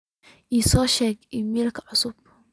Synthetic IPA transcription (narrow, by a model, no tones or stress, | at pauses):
ʔiːsɔːʃɛːɡʔɪmiːlkʰɐ̥ʕʊsʊb̥̚